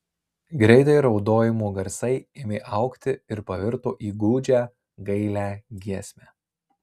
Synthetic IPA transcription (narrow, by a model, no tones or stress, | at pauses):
ɡɾʲɛɪt̪ɐɪɾɒʊd̪oːjɪmuːɡɐɾsɐɪɪmʲeːʔɐʊkt̪ʲɪɪɾpɐʋʲɪɾt̪oːʔiːɡuːd͡ʒʲæː | ɡɐɪlʲæːɡʲiɛsʲmʲæː